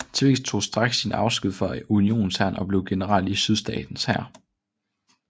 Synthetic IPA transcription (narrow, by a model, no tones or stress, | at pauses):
t͡sʰʋe̝̰ɡst͡sʰo̝̰ːsd̥ʁɑ̈ɡ̥sːinɑ̈ʊsɡ̥uð̰ˠfɒæunio̝̰ːn̩sæn̰ɒ̽b̥le̝ʊɡ̥e̝nəʁɑl̰isyð̞ˠsd̥ɛ̰ːd̥n̩shæɐ̰